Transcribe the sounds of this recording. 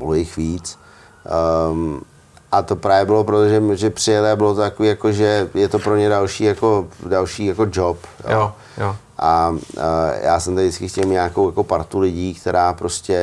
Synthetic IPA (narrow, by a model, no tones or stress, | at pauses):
bulojɪxviːt͡s | ʔat̪o̞pɾaːvjɛbɪlopɾot̪oʒɛmʒɛpr̥ɪjɛlɪabɪlot̪ot̪akoviːjakoʒɛjɛt̪o̞pɾo̞mɲɛdalʃiːjako̞dalʃiːjako̞d͡ʒopjo̰ | ʔa | ja̰ːsɛmt̪aɡdɪt͡skɪxcɛlmɲaːkowjako̞paɾt̪ulɪɟiːkt̪ɛɾaːpɾo̞scɛ